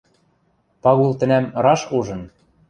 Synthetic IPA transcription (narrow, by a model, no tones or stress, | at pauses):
pɑɣulˠt̪ɘ̆næmɾɑʃuʒɤ̆n